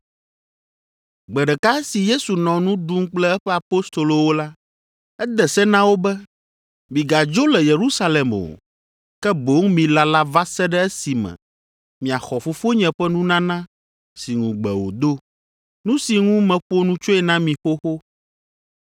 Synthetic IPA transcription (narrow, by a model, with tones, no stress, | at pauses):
ɡ͡bɛ˨ɖɛ˨ka˦ɛ˦si˨je˦su˨nɔ̃˨nũ˦ɖu˦ŋ˦k͡plɛ˦ɛ˦ɸɛ˦a˨po˦st̪o˨lo˨wo˦la˦ | ɛ˦d̪ɛ˨sɛ˦nã˦wo˦bɛ˦ | mĩ˨ɡa˨d͡ʒo˦lɛ˨je˨ɾu˦sa˦lɛ˨mo̰˨ | kɛ˦bo˨˦ŋmĩ˨la˦la˦va˦sɛ˦ɖɛ˦ɛ˦si˨mɛ̰̃˨ | mĩ˨a˨xɔ˨fo˦fo˦ɲɛ̃˨ɸɛ˦nũ˦nã˦nã˦ | si˨ŋũ˨ɡ͡bɛ̰˨wo̰˨d̪o˦ | nũ˦si˨ŋũ˦mɛ̃˨ɸo˦nũ˦t͡ʃo˦ɛ˨nã˦mĩ˨xo˦xo˦